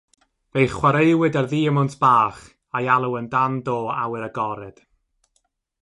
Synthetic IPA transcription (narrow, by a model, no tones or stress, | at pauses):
vejχwaɾejwɨdarðiːəmʊntʰb̥aːχ | ajalˠuwəndandoːa̰wɪɾəɡɔɾɛd̥